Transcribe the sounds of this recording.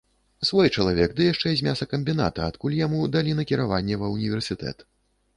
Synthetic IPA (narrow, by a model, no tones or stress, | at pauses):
svɔjt͡ʂɐlˠavʲɛɡd̪ɨjaʂt͡ʂɛzʲmʲasɐkɐmʲbʲin̪a̰t̪ɐat̪kulʲjamud̪alʲinɐkʲiɾavanʲːɛvɐunʲivʲɛrsʲɨt̪ɛ̰t̪